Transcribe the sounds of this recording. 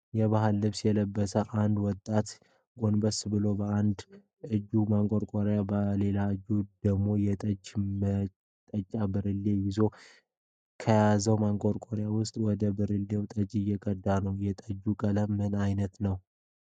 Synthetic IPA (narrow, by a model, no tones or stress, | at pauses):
jɛβaɦalːɨβsjɛləbːəsəʔand̪wɔt̪ʼːat̪ | ɡo̞nbəsbɨlo̞bəand̪ | ɨd͡ʒːumaŋkʼoɾkʼoɾjabəle̞laɨd͡ʒud̪̥əɡmo̞jɛt̪ʼəd͡ʒmə | t̪ʼət͡ʃʼːabɨɾɨlːe̞jɪzo̞ | kʰəjazəwmaŋkʼoɾkʼoɾjawʊst̪ʼwɔd̪əbɨɾɨlːe̞wt̪ʼəd͡ʒɪjɛkʼəd̪ːanəwjɛt̪ʼəd͡ʒːukʼələmːɨnajnət̪nəw